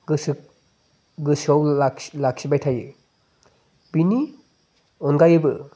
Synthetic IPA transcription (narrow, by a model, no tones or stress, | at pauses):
ɡɯsɯ | ɡɯsawḁlak̚sibajtʰajɯ | b̥ini | ɔnɡajɯbɯ